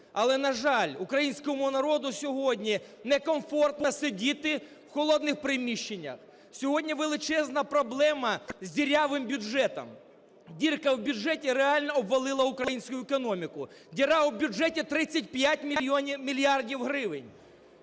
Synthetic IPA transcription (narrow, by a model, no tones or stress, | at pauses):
ɐlˠɛnɐʒɑlʲʊkɾɐjinʲsʲkɔmʊnɐɾɔd̪ʊsʲɔɦɔdʲnʲinɛkɔmfɔrt̪nɐsɪdʲit̪ɪ | wxɔlˠɔd̪nɪxpɾɪmʲiʃt͡ʃːenʲːɐ̰x | sʲɔɦɔdʲnʲiʋelˠɪt͡ʃɛznɐpɾɔblˠɛmɐzʲdʲiɾʲaʋɪmbʲʊʒɛt̪ɔ̰m | dʲirkɐwbʲʊʐɛtʲiɾeɑlʲnɔɔbʋɐlˠɪlˠɐʊukɾɐjinʲsʲkʊjʊekɔnɔmʲikʊ | dʲiɾɑwbʲʊʐɛtʲɪt̪ɾɪt͡sʲːɐtʲpjatʲmʲimʲilʲijardʲiwɦɾɪʋɪnʲ